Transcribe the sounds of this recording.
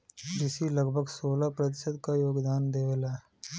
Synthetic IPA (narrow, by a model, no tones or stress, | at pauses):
d͡ʒɪsilɐɡbʱəɡsoːlapɾɐt̪̬ɪ̥səd̪kajoːɡd̪aːnd̪eːweːla